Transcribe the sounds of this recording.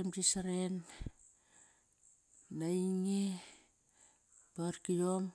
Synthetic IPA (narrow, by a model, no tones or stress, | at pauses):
emdisaɾen | aiŋe | paɾkijom